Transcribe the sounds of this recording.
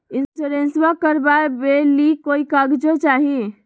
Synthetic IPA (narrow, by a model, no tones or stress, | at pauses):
insuɾensbakəɾbaebelikoikəɡd͡ʒot͡ʃaɦi